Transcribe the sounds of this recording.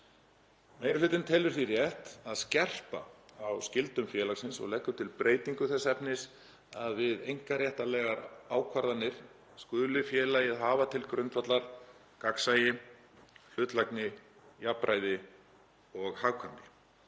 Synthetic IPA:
meːjɾɪlʏːt̪ɪnt̪ʰɛːlʏɾ̥θirjɛht̪aðscɛr̥paawscɪlt̪ʏmfjɛːlaxsɪnsɔ̰ɣlɛhkːʏt̪ʰɪlpɾʔeːjt̪iŋkʏθɛsːɛpnɪs | aðvɪðejŋ̥kaɾjɛht̪alɛːɣaɾaːwkʰvaɾðanːɪɾ̥ | skʏːlʏfjɛːlajɪðɦaːvat̪ʰɪlkɾʏnt̪fat̪laɾ̥ | kaksajɪ | l̥ʏt̪laknɪ | japɾʔajðɪ | ɔɣhaːɣkʰœmpɪ

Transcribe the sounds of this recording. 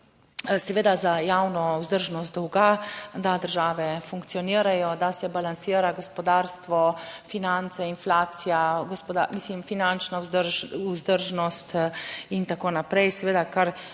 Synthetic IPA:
sɛʋeːd̪azajaːwnɔuzd̪əɾʒnɔst̪d̪ɔwɡad̪ad̪əɾʒaːʋɛfuŋkt̪sijɔniːɾajɔd̪asɛbalansiːɾaɡɔspɔd̪aːɾst̪ʋɔfinant̪sɛinflaːt̪sijaɡɔspɔd̪amiːslimfinant͡ʃnauzd̪əɾuzd̪əɾʒnɔst̪int̪akoːnapɾɛjsɛʋeːd̪akaɾ

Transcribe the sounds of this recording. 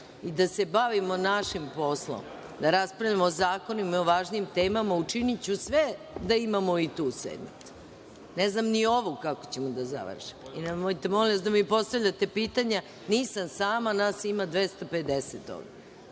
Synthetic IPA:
id̪ase̞baʋimonaʃimpo̞slo̰m | d̪aɾaspɾaʋʎamozaːkonimioʋaːʒniːmt̪eːmamaut͡ʂinit͡ɕusʋe | d̪aimamoit̪uːsʋḛd̪mit̪u̥ | neznamnio̞ʋukako̥t͡ɕemod̪aza̰ʋ̰r̩ʃi̥moinamoit̪emoliasd̪amipo̞st̪aʋʎat̪e̞piːt̪aɲa | niːsamsaːmanaːsimad̪ʋest̪ape̞d̪eset̪o̰ɡe

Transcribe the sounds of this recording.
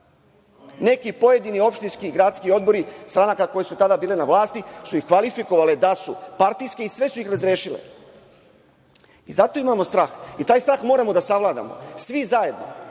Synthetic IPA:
ne̞kipo̞je̞d̪inio̞pʃt̪inskiːɡɾaːt̪skio̞d̪̚bo̞ɾist̪ɾanakako̞jesut̪ad̪abiːlenaʋlˠaːst̪isuixkʋalifiko̞ʋaled̪asupaɾt̪ijske̞isʋe̞suixɾazɾjeːʃilḛ | izat̪o̞imamo̞st̪ɾaːxit̪aːjst̪ɾaːxmo̞ːɾamo̞d̪asaʋlˠaːd̪a̰mo̞̰sʋizaje̞d̪no̰

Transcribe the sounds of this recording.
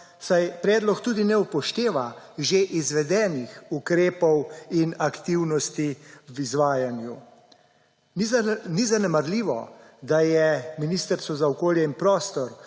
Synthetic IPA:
sajpɾɛːd̪lɔkt̪uːd̪inɛupɔʃt̪eːʋa | ʒeʔizʋɛd̪ɛːnixukɾeːpɔwinakt̪iwnɔst̪iʋizʋaːjanju | nizanɛmaɾliːʋɔ̰d̪ajɛminist̪əɾsɔzaɔkoːljɛinpɾoːst̪ɔɾ

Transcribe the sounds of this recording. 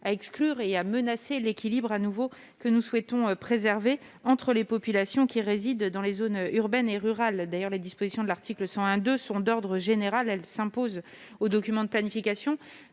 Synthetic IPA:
aɛksklyʁeamənaselekʲilibʁanuvo | kənuswɛt̪ɔ̃øpχezɛʁve | ɑ̃t̪χəlepɔpylasjɔ̃kʲiʁezid̪ːɑ̃lezonyʁbɛneʁyʁald̪ajœʁled̪ispozisjɔ̃d̪əlaʁt̪ʰikləsɑ̃ɛ̃d̪øsɔ̃d̪ɔʁd̪ʁəʒeneʁalɛlsɛ̃poz | od̪ɔkʲymɑ̃d̪əplanifikasjɔ̃

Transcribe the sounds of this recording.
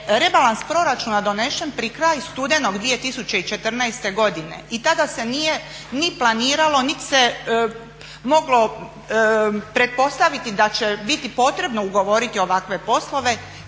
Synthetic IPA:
ɾe̞balanspɾo̞ɾat͡ʃunad̪o̞ne̞ʃe̞npɾikɾaːjst̪ud̪e̞no̞ɡd̪ʋije̞t̪isut͡ɕe̞it͡ʃe̞t̪r̩najst̪e̞ɡo̞d̪ine̞̰it̪ad̪ase̞nije | niplˠaniːɾalo̞nit̪i̥se | moɡlo̞ | pɾe̞t̪̚po̞st̪aʋit̪id̪at͡ʃe̞bit̪ipo̞t̪ɾe̞bno̞uɡo̞ʋo̞ɾit̪io̞ʋakʋe̞po̞slˠo̞ʋe̞

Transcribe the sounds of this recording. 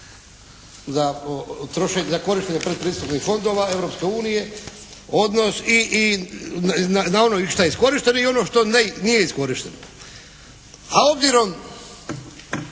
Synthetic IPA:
zat̪ɾoʃeɲzako̞ɾiʃt̪eɲepɾed̪̚pɾiːst̪upnixfo̞nd̪o̞ʋae̞ʋɾo̞pske̞uːnije̞ | o̞d̪no̞siʔnnanao̞noiʃt̪ajeisko̞ɾiʃt̪e̞noio̞no̞ʃt̪o̞nenije̞isko̞ɾiʃt̪e̞no | ao̞bziɾo̞m

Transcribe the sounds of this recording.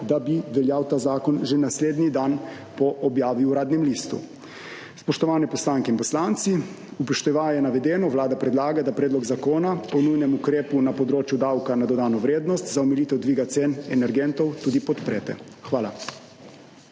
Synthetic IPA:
d̪abiʋɛljawt̪aːzaːkɔnʒenasleːd̪nid̪an | pɔʔɔbjaːʋiuɾaːd̪nɛmlist̪ṵ | spɔʃt̪ɔʋaːnɛpɔslaːŋkɛinpɔslaːnt̪si | upɔʃt̪ɛʋajɛnaʋɛd̪ɛːnɔʋlaːd̪apɾɛd̪laːɡad̪apɾɛːd̪lɔɡzakoːnaɔnujnɛmukɾeːpunapɔd̪ɾoːt͡ʃjud̪awkanad̪ɔd̪aːnɔʋɾeːd̪nɔst̪zaɔmɛlit̪ɛwd̪ʋiːɡat̪seːnɛnɛɾɡɛnt̪ɔwt̪uːd̪ipɔt̪pɾɛːt̪ɛ̰ | xʋaːla

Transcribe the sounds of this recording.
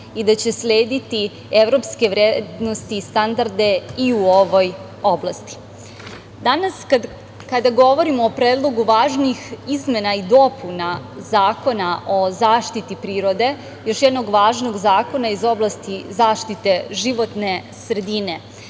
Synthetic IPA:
id̪at͡ɕe̞slʲeːd̪it̪i | eʋɾo̞pske̞ʋɾeːd̪no̞st̪ist̪and̪aɾd̪eiuo̞ʋo̞j | o̞blˠast̪i̥ | d̪anas | kad̪aɡo̞ʋo̞ɾimo̞ːpɾeːd̪lˠo̞ɡuʋaːʒnixizmenaid̪o̞punazaːko̞naʔo̞zaːʃt̪it̪ipɾiːɾo̞d̪e̞ | jo̞ʃjɛd̪no̞ɡʋaːʒno̞ɡzaːko̞naizo̞blˠast̪izaːʃt̪it̪e̞ʒiʋo̞t̪ne̞ | sɾed̪ine̞

